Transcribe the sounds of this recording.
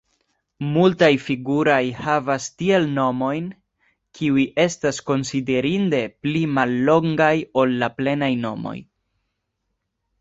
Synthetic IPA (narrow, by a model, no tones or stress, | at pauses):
multajfiɡuɾojhavastie̞lno̞mo̞jn | kʰiujiʔe̞stasko̞nside̞ɾinde̞plimalːo̞ŋɡajo̞lːaple̞najno̞mo̞̰j